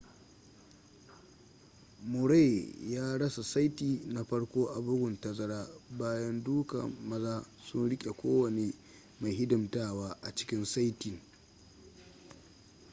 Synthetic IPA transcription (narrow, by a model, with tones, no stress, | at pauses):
mʊ˨ɾa˦˨jjaː˦ɽɐ˦sa˨sa˦jtiː˨na˨ɸɐ˦ɽkʷoː˦ʔa˨bʊ˦ɡʷʊ˨ntɐ˨zɐ˦ɽaː˦baː˦jɐ˦nduː˦kɐ̰˨mɐ˦zaː˦ | sʊ˦nɽɪ˦kʲʼe˨kʷoː˦wɐ˨neː˦ | ma˨jɦɪ˦dʊ˨mtaː˦˨waː˦ʔa˨t͡ʃɪ̥˦kʲɪ˦nsa˦jtɪ˨ŋ